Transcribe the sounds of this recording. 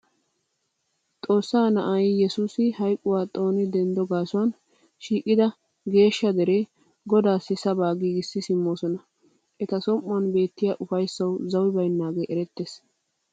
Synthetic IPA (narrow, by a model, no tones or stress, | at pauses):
t̪ʼo̞ːsːaːnɐʔɐjjɛsuːsɪhɐjkʼːʊwaːt̪ʼo̞ːnɪd̪ɛnd̪ɔɡaːsʊwɐn | ʃiːkʼːɪd̪ɐ | ɡe̞ːʃːɐd̪ɛɾeː | ɡɔd̪aːsːɪsɐbaːɡiːɡɪsːɪsɪmːoːsɔnɐ | ʔɛt̪ɐsɔmʼːʊɐnbe̞ːt̪ːɪjaːʔʊfɐjsːɐwzɐwɪbɐjnːaːɡeːʔɛɾɛt̪ːeːs